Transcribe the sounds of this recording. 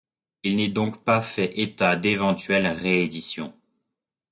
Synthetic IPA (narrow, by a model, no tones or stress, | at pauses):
ilnɛd̪ɔ̃kpafɛʔet̪ad̪evɑ̃t̪ɥɛlʁeːd̪isjɔ̰̃